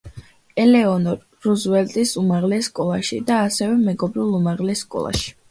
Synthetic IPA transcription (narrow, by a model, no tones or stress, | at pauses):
ɛlɛɔnɔ | ɾuzwɛlt̪ʼisumaʁlɛsːkʼɔlˠaʃḭd̪aːsɛvɛmɛɡɔbɾilˠumaʁlɛsːkʼɔ̰lˠa̰ʃi̥